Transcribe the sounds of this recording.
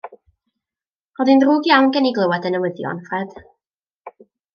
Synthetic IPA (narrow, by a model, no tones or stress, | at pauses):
rɔðɪnruːɡjawnɡɛniɡlˠəwadənəwəðjɔ̰nfrɛd̥